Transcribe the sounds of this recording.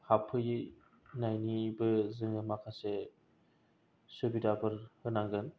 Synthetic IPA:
hapʰɯj | najnibɯzɯŋɯmakʰase | sɯbidabɯɾhɯnaŋɡɯn

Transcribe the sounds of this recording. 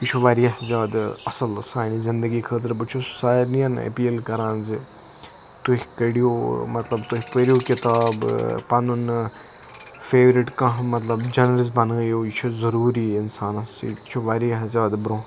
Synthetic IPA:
it͡ʃʰoʋaːɾijɐɦzaːd̪ɐsɐlɐsaːnizɪnd̪əɡikʰəːt̪̬əɾbɐt͡ʃʰo̥saːjnijɐnɐ̰piːlkɐɾãːnzi | t̪uhkəɽijomɐt̪lɐbt̪upəɾijokɪt̪aːbpɐnun | feːʋɾɪʈkɐ̃ɦmɐt̪lɐbd͡ʒɐnəlɪs̬bɐnɡəjoːit͡ʃʰozɐɾuːɾiɪnsaːnɐsḭt͡ʃʰoʋaːɾiɐɦzʲaːd̪bɾõː

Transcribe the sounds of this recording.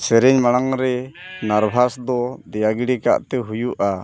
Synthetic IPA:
sɛɾɛɲmaɽ̃aŋɾɛnaɾbʱasd̪ɔd̪ɛjaɡiɽika̰ʔt̪ɛɦujuʔa

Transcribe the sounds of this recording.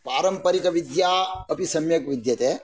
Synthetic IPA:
paːɾɐmpɐɾikɐʋid̪jaːɐpisɐmjɐkʋid̪jɐt̪eː

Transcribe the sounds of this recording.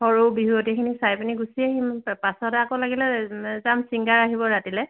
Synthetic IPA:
hɔɹowbiɦuɔtɛkʰinisajpiniɡusiaɦimpasɔtakolaɡilɛzamsiŋɡaɹaɦibɔɹatilɛ

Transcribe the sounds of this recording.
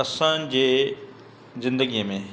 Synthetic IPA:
ɐsãːnd͡ʑeː | zɪ̃nd̪əɡijəmẽ

